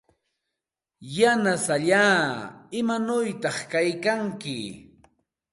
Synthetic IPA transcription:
janasaʎaːɪmanʊjt̪ɑχkajkaŋkɪ̰

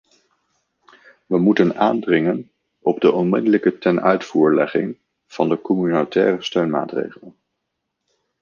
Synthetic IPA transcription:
ʋəmutənaːndrɪŋən | ɔbdəʔɔnmɪdələkətɛnœ̰ɥtfuːɹlɛ̰χɪŋ | v̥ɑndəkɔmynotɛːrəstøɥnma̰ːtrḛjχələn

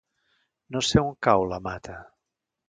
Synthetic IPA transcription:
noseuŋkawlamat̪ʰə

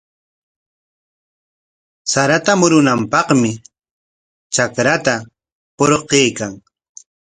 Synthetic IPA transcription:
saɾat̪amʊɾʊnampɑχmɪ | t͡ʃakɾat̪a | poɾqejkaŋ

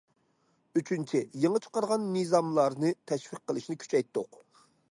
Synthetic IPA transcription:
yt͡ʃʰynt͡ʃʰijeŋət͡ʃʰə̥qɑɾʁɑnːɨzɑmlˠɑɾnɨt̪ʰɛʃfiq̚ːəlˠɨʃnɪkʲʰy̥t͡ʃʰɛjt̪ːoq

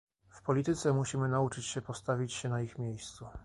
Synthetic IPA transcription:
fpɔlʲit̪ɘt̪sɛmuɕimɘnaut͡ʂɘt͡ɕɕɛpɔst̪avʲit͡ɕɕɛnaixmʲjejst̪su

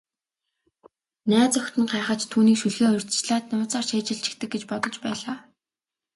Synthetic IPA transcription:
næːt͡sœxt̪ɘ̆ŋɢæːχə̆t͡ɕt̪ʰuːniːkʃuɮɣeːʊrʲt̪t͡ɕɮaːt̪nʊːt͡saːrʃeːt͡ɕɪ̆ɬt͡ɕʰɪ̥̆kt̪ɘ̆kɡet͡ɕpɔt̪ɞ̆t͡ɕpæːɮaː

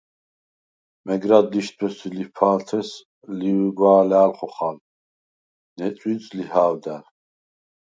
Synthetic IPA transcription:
mɛɡɾad̪ːiʃt̪̚ʰbɛsilipʰaːlt̪ʰɛs | liwɡwaːlɛːlχɔχal | nɛt͡sʼwit͡sʼlihaːwd̪aɾ

